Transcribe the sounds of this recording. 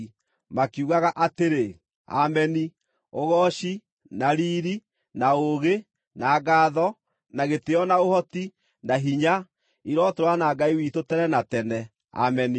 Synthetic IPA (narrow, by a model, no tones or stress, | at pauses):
makiuɣaɣaʔateɾe | a̰mɛni | oɣɔʃi | naɾiːɾi | naoɣe | naːɡaːðɔ | naɣeteɔnaohɔti | naɦiɲa | iɾwɔtoɾwanaːɡaiwitotɛnɛnatɛnɛ | a̰mɛni